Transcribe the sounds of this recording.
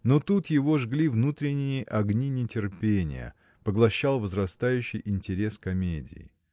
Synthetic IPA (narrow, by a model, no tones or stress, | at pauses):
not̪ut̪jɪvo̞ʐɡlʲivnut̪ɾʲɪnʲːɪjəʔɐɡnʲinʲɪtʲɪrpʲenʲɪ̰jə̰ | pəɡlˠɐɕːalˠvəzɾɐst̪ajʉɕːɪjʔɪnʲtʲɪɾʲe̞skɐmʲedʲɪ̰jɪ̰